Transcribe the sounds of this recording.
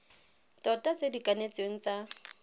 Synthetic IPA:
tɔtʼat͡sʼedikʼanet͡sweŋ̩t͡sa

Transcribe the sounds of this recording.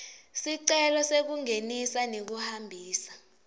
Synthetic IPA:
siǀɛlɔsek̬uŋenisanek̬uhambʱiːsḁ

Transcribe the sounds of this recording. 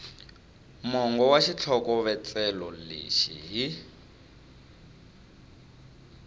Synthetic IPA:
mɔŋɡɔwaʃit͡ɬʰɔkɔβɛt͡sɛlɔlḛʃḭɦi

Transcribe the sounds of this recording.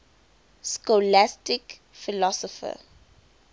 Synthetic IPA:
skɔlæstɪk | filɔsɔfə̰

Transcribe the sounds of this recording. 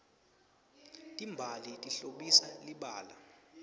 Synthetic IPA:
tʼimbʱalitʼiɬoɓisaliɓaːla

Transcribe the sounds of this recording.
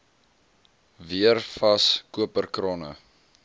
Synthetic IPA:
viərfɐskuəpərkrɔnə̰

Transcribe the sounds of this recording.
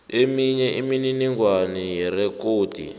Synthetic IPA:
emiɲɛʔimininiŋɡwanijɛrɛkoːtḭ

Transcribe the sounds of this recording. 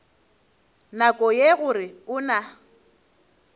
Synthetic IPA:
nakʼɔjeɣʊrɪʊna

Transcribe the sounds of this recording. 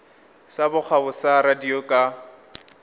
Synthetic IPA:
sabʊk͡xʰabʊsaɾadiokʼa

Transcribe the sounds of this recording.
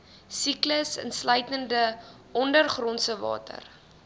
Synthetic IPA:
sikləsə̰nslœɥjtəndə | ʔɔndərχrɔnsəvɑ̰ːtə̰r

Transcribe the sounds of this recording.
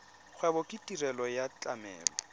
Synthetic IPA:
χʰwɛbɔkʼɪtʼirɛlɔjat͡ɬʼamɛ̰ːlɔ

